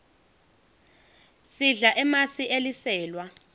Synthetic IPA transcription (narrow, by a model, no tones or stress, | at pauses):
siɮaʔɛmasiʔelisɛːlwa